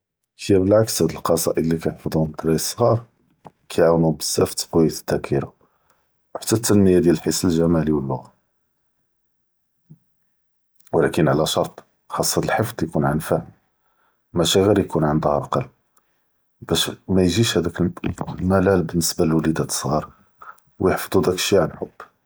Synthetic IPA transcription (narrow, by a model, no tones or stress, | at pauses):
kəjæbəlʕakshæd̪əlqɑsˤɑ̰ʔəd̪lːikæjəfɑd̪ˤuhmt̪ɾɑjəsˤːɣɑɾˤ | kʰæjʕawnubəsːæft̪qojːæt̪t̪ːækʰiɾa | wħḁt̪ːæt̪ːænːəjad̪jæləlħisəlʒæmæliwəlːʊɣɑ | wlækənʕalæʃɑɾˤt̪ˤ | xɑsˤːɑt̪əlħəfd̪ˤjkunʕanfæ | mæʃæɣiɾjkunʕənd̪hɑɾˤʔqɑl | b̥æʃmæjʒiʃhæd̪æklmælælbənːəsbæləlwælid̪æt̪ə̥sˤɣɑɾˤ | wjəħfd̪ˤud̪ækə̥ʃiʕanħobː